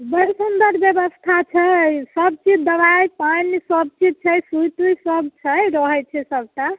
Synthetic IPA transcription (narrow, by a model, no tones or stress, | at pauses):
bəɽisund̪əɾbjebəst̪ʰat͡ʃʰɛsəb̚t͡ʃid͡ʒd̪əβajpanisəb̚t͡ʃid͡ʒ̚t͡ʃʰɛjsujt̪ujsəbt͡ʃʰɛɾɔɦɛt͡ʃʰɛsəb̚ʈa